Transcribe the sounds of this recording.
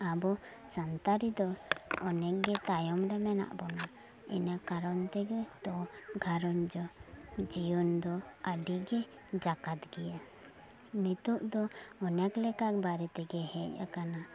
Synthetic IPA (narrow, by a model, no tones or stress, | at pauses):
abɔ | sant̪aɾid̪ɔɔnɛk̚ɡɛt̪ajɔmɾɛmɛna̰ʔbɔna | ɛ̰nakaɾɔnt̪ɛɡɛt̪ɔɡʱaɾɔnd͡ʒɔd͡ʒijɔnd̪ɔaɖiɡɛ | d͡ʒakat̪ɡɛja | nit̪uʔd̪ɔɔnɛklɛkak̚baɾɛt̪ɛɡɛhɛja̰kana